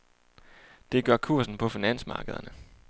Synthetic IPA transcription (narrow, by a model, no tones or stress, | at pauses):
d̥e̝ɡ̥ɶɐkʰuɐ̰sn̩pʰɒ̽finæn̰smɑ̈ːɡ̥əð̞ˠɐnə